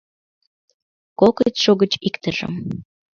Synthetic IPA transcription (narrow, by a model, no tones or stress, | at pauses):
koket̪ʃoɣət͡ɕikt̪əʒə̰m